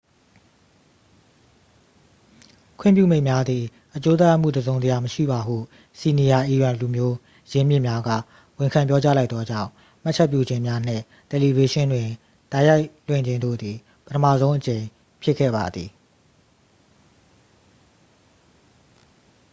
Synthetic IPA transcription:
kʰw̃ɪ̰̃˦˨pjṵ˦˨me˦ɪ̃˨mja˦d̪ði˨ | ʔət͡ɕo˦t̪a˦ja˦˨ʔm̥ṵ˦˨dəzõ˨ʊ̃nzə˨ja˨məʃḭ˦˨ba˨hṵ˦˨ | si˨ni˨ja˨ʔi˨jwã˨lu˨mjo˦ | jɪ̃˦mjɪ̰˦˨mja˦ɡä̰˦˨ | wɪ̃˨ŋkʰã˨mp̬jɔ˦t͡ɕa˦la˦ɪt̪ɔ˦d͡ʑã̰˦˨ʊ̃ | m̥a˦t͡ɕʰɛ˦˨pjṵ˦˨d͡ʑɪ̃˦mja˦n̥ɪ̰̃˦˨ | tɛ˨li˨be˦ʃɪ̃˦ndwɪ̃˨ | da˦ja˦ɪl̥wɪ̰̃˦˨ɲd͡ʑɪ̃˨ndo̰˦˨d̪ði˨ | pətʰəmä̰˦˨zõ˦ʊ̃ʔət͡ɕẽ˨ɪ̃ | pʰjɪ˦ʔkʰːɛ̰˦˨ba˨d̪ði˨

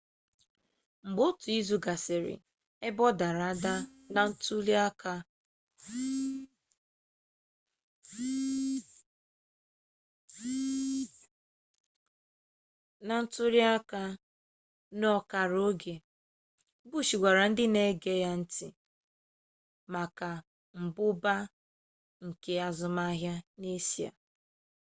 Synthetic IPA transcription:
ŋ͡m̩˨ɡ͡bo˦tʊ˨i˦zu˨ɡa˨sɪ˨ɾɪ̰˨ | e˦bɔ˦da˨ɾa˨a˦da˦ | na˨n̩˦tu˦li˦a˦ka˦ | na˨n̩˦tʊ˦ɾja˦ka˦ | nɔ˦ka˨ɾo˦ɡe˨ | bu˦ʃi˨ɡʷa˨ɾa˨n̩˦dɪ˦ne˦ɡe˦ja˦n̩˦tɪ˨ | ma˨ka˨ | m̩˨bʊ˦ba˦ | ŋ̩˨ke˦a˦zʊ˨ma˦ɦja˦ne˦si˦a̰˨

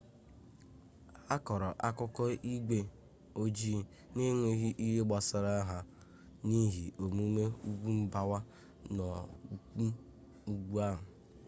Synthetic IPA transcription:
a˦kɔ˨ɾɔ˨ʔa˦kʊ˦kɔ˦i˦ɡe˦ | o˦d͡ʒi˦ | ni˦ŋʷe˦ɦi˦ʔi˦ɦe˦ɡ͡ba˨sa˨ɾa˦ɦa˨ | ni˦ɦi˨ʔo˨mu˦me˦u˦ɡʷu˦m̩˦ba˦wa˦ | nɔ˨˦ | u˦ɡʷu˦a˦ɦʊ˨

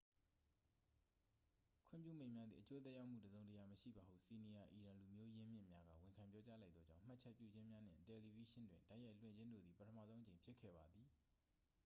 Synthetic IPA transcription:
kʰwɪ̰̃˦˨mpjṵ˦˨mẽ˨ɪ̃mja˦d̪ðḭ˨ʔət͡ɕo˦t̪ɛ˦ʔja˦ʊʔm̥ṵ˦˨dəzõ˨ʊ̃ntəja˨məʃḭ˦˨ba˨hṵ˦˨si˨ni˨ja˨ʔi˨ɹã˨lu˨mjo˦jɪ̃˦mjɪ̃˦˨mja˦ɡa̰˦˨wɪ̃˨ŋkʰã˨mpjɔ˦t͡ɕa˦la˦ɪt̪ɔ˦d͡ʑã˦˨ʊ̃m̥a˦ʔt͡ɕʰɛ˦ʔpjṵ˦˨d͡ʑɪ̃˦mja˦n̥ɪ̰̃˦˨tɛ˨li˨vi˦ʃɪ̃˦ndwɪ̃˨nda˦ʔja˦ɪʔl̥wɪ̰̃˦˨ɲd͡ʑɪ̃˦ndo̰˦˨d̪ði˨pətʰəmä̰˦˨zõ˦ʔət͡ɕẽ˨mpʰjɪ˦kʰːɛ̰˦˨ba˨d̪ði˨

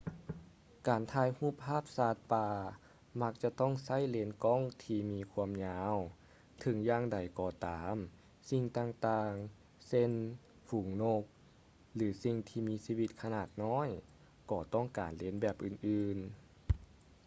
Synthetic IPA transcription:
kaː˨˩nt̪ʰaː˧jhuː˧˩˨p̚ʰːaː˥˩˨p̚saː˧˩t̪̚paː˧ | ma˧k̚t͡ɕa˧˦t̪ɔ˥˩˨ŋsa˧˥˨jle˧˥nkɔ˧˥˨ŋt̪ʰiː˧miː˧kʰu˧əmɲaː˧˥w | t̪ʰɤ˨˦ŋjaː˧ŋda˨˩jkɔː˧˩t̪aː˨˦m | si˧ŋt̪aː˧ŋt̪aː˧ŋ | se˧˥˨n | fuː˨˩˦ŋno˧k̚ | lɯː˩˦si˧ŋt̪ʰiː˧miː˧siː˧wi˧t̪̚kʰa˧naː˨˧˩t̪̚nɔː˧˥˨j | kɔː˧˩t̪ɔː˥˩ŋkaː˨˩nle˧˥nbɛː˧˩p̚ʔɯː˨˩nʔɯː˧n

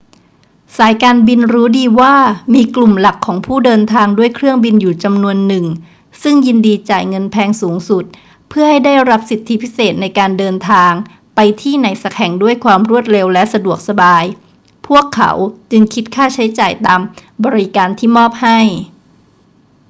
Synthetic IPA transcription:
saː˩˦jkaː˧nbi˧nɾuː˦˥diː˧waː˥˩miː˧klu˨˩mla˨˩kʰːɔː˩˦ŋpʰuː˥˩dɤː˧nt̪ʰaː˧ŋdu˥˩əjkʰɾɯ˥˩əŋbi˧njuː˨˩t͡ɕa˧mnu˧ənːɯ˨˩ŋ | sɯ˥˩ŋji˧ndiː˧t͡ɕaː˨˩jŋɤ˧npʰɛː˧ŋsuː˩˦ŋsu˨˩t̪̚ | pʰɯ˥əha˥˩jda˥˩jɾa˦˥p̚si˨˩t̪ʰːi˦˥pʰi˦˥seː˨˩t̪̚na˧jkaː˧ndɤː˧nt̪ʰaː˧ŋ | pa˧jt̪ʰiː˥˩na˨˩˦jsa˨˧˩k̚ʰhɛ˨˩ŋdu˥˩əjkʰwaː˧mɾu˥˩ət̪̚ɾe˧wlɛ˦˥sa˧du˨˩ək̚sa˧baː˧j | pʰu˥˩əkʰːa̰˩˦wt͡ɕɯ˧ŋkʰi˦˥t̪̚kʰaː˥˩t͡ɕʰa˦˥jt͡ɕaː˨˩jt̪aː˧mbɔː˧ɾi˦kaː˧nt̪ʰiː˥˩mɔː˥˩p̚ha˥˩j

